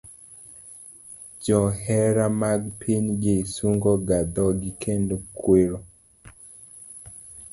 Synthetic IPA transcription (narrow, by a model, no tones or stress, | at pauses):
d͡ʒɔhɛɾamaɡpʰiɲɡesuŋɡɔɡad̪ɔɡɪkʰendokʰweɾo